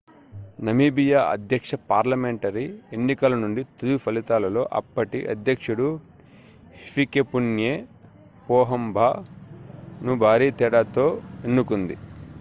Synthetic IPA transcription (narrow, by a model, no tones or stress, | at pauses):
nɐmiːbijaːʔɐ̰d̪jɐkʂɐpaːɾlɐmeɳʈɐɾienːikɐlɐnuɳɖit̪ujupʰɐlit̪aːlɐlo̞ːʔɐ̰pːɐʈḭʔɐ̰d̪jɐkʂuɽu | hepikepunjeːpɔːɦɐmbʱaː | nubʱaːɾiːt̪ɛɽaːt̪o̞ːenːukund̪ḭ